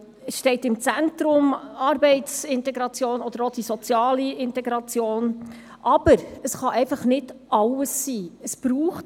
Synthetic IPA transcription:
əsʃtɛɪtɪmt͡sænt̪ɾʊmɑɾbɛɪtsɪntɛɡɾɑt͡sjoːnɔd̥̪əɾod̥isɔt͡sjɑːliɪntɛɡɾɑt͡sjoːn | ʔɑb̥əɾəsχɑʔɛɪfɑχnɪdʔɑləsːiːəsb̥ɾuːχt

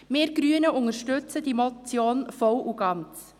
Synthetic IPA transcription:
meːɾɡ̥ɾyənəʔʊŋəɾʃtʏt͡sədimɔt͡sjoːnfɔwʔuɡɑnt͡s

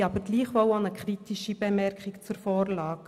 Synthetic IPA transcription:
ɑbəɾɡliːχʋɔʊɑnəkχɾit̪iʃib̥emɛɾkχikt͡suɾfɔːrlɑːɡ̥

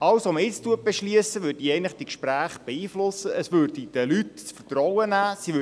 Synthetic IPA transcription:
ɑwsɔməɪt͡stuət̚b̥eʃliəsəʋøːɾdiɛɪnlɪχd̪ikʃpɾæːχb̥eiːflʊsəəsʋørdid̥əlytt͡sfərtrɔwənæːsiʋø

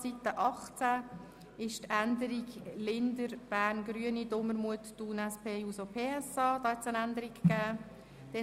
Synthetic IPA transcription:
sit̪ːəʔɑχt͡sæ | ɪʃt̪ænd̪əɾiɡlɪnd̪əɾb̥æːɾnɡɾyənid̪oməɾmuət̪ːuːnɛspʰeːjuːsopʰeːɛsɑːd̥̪ɑːhɛt̪sənænd̪əɾikːæː | d̪̥ɛ

